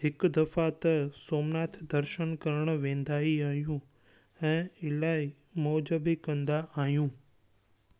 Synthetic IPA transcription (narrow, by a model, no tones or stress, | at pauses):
ɦɪkd̪əfat̪əsoːmnaːt̪ʰd̪əɾʃənkəɾəɳ̃ʋẽːnd̪aːiaːɦjũ | ɛ̃ːɪlaːi | mɔːd͡ʒəbikə̃nd̪aʔaːɦjũː